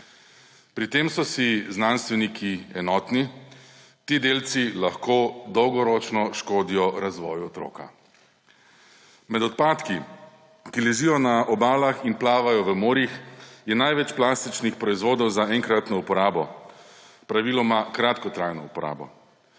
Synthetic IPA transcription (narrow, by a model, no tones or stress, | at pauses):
pɾit̪eːmsɔsiznanst̪ʋɛnikʰiɛnɔːt̪ni | t̪iːd̪eːlt̪silaxkoːd̪ɔwɡɔɾɔt͡ʃnɔʃkoːd̪ijɔɾazʋɔ̰ːjɔt̪ɾo̰ːka̰ | mɛd̪ɔt̪̚paːt̪ki | kilɛʒijɔnaʔɔbaːlaxinplaːʋajɔʋəmoːɾjixjɛnajʋɛt͡ʃplaːst̪it͡ʃnixpɾɔizʋoːd̪ɔwzaɛŋkɾat̪nɔupɔɾaːbɔ | pɾaʋilɔmakɾat̪kɔt̪ɾajnɔ̰upɔɾa̰ːbɔ̰